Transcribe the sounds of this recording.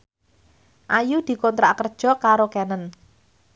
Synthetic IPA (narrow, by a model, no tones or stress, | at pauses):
ʔajud̪̥i̤kɔnt̪ɾaʔkərd̥ʒ̥ɔ̤kaɾokɛnən